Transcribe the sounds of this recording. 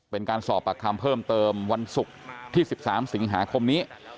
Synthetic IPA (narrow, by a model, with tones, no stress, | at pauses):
pe˧nkaː˧nsɔː˨˩pːa˧kʰa˧mpʰɤː˥˩mt̪ɤː˧mwa˧nsu˨˩k̚t̪ʰiː˥˩si˨˩p̚saː˩˦msi˩˦ŋɦaː˩˦kʰo˧mniː˦˥